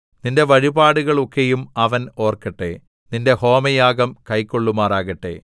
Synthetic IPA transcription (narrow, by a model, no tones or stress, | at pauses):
ninde̞ʋɐɻibaːɽuɣɐɭo̞kːejumɐʋɐno̞ːrkɐʈːe̞ | ninde̞ho̞ːmɐjaːɡɐmkɐjkːo̞ɭːumaːraːɣɐʈːe̞̰